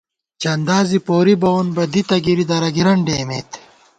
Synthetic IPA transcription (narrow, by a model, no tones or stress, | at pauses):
t͡ɕɐnd̪aːzipoːɾibɐonbɐd̪it̪ɐɡiɾid̪ɐɾɐɡiɾɐɳɖeːmḛːt̪